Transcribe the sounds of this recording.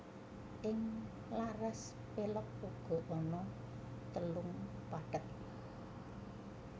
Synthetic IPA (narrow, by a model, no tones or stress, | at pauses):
ʔɪŋ | larɛs | pelɔk̚uɡ̥ɔ̤ʔɔnɔ | t̪əlʊŋpaɖ̥ək̚